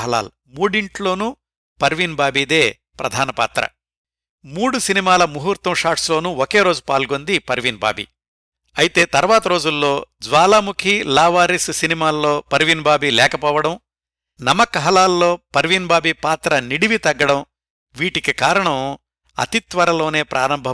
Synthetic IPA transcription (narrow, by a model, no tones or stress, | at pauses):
ɦɐla̰ːlu | muːɽiɳʈlo̞ːnuː | pɐɾʋinbaːbiːd̪e̞ː | pɾɐ̰d̪ʱaːnɐpa̰ːt̪ɾɐ̰ | muːɽusinimaːlɐmuɦuɾt̪ɐmʂaːɾʈslo̞ːnuoke̞ːɾo̞ːd͡ʒupaːlɡo̞nd̪ipɐɾʋinba̰ːbḭ | ɐjit̪e̞ːt̪ɐɾʋaːt̪ɐɾo̞ːd͡ʒulːo̞ːd͡ʒʋaːlaːmukʰilaːʋaːɾissinimaːlːo̞ːpɐɾʋinbaːbilɛːkɐpɔːʋɐɽɐm | nɐmɐkɐɦɐlaːlːo̞ːpɐɾʋinbaːbipaːt̪ɾɐniɽiʋit̪ɐɡːɐɽɐm | ʋiːʈikikaːɾɐɳɐm | ɐ̰t̪it̪ʋɐɾɐlo̞ːne̞ːpɾʔa̰ːɾɐmbʱɐ